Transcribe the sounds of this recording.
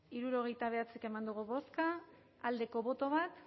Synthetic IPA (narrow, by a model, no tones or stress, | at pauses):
iɾuɾo̞ɣ̞e̞jt̪aβ̞e̞at͡seke̞mand̪uɣ̞uβo̞skaː | ld̪e̞ko̞βo̞t̪o̞β̞at̪